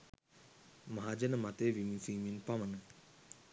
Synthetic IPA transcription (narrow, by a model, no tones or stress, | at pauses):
maɦad͡ʒənəmat̪ejʋimisiːminpamənə